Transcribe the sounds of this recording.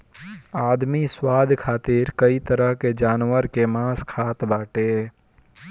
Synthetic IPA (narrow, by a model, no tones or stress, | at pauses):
aːd̪miswaːd̪ʱkʰaːt̪iɾkəit̪əɾəɦked͡ʒaːnwəɾkemaːskʰaːt̪baːʈeː